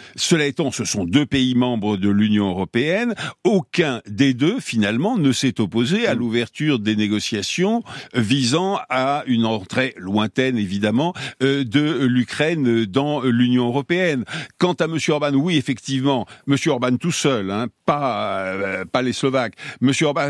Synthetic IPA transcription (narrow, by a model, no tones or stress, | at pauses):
səlaet̪ɑ̃səsɔ̃d̪øpeimɑ̃bʁəd̪əlynjɔ̃øʁɔpeɛnokʲɛ̃d̪ed̪øfinalmɑ̃nəsɛt̪ɔpozealuvɛʁt̪yʁd̪eneɡɔsjasjɔ̃vizɑ̃aynɑ̃t̪χelwɛ̃t̪ɛnevid̪amɑ̃ød̪əlykχɛnd̪ɑ̃lynjɔ̃øʁɔpeɛnkɑ̃t̪aməsjøɔʁbanwiɛfɛkt̪ivmɑ̃məsjøɔʁbant̪usœlɛ̃pa | paleslɔvakməsjøɔʁba